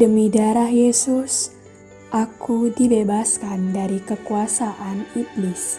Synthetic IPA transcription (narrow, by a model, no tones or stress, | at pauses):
dəmidaɾahjesʊs | ʔakudibebaskandaɾikəkuasaʔaniɡlis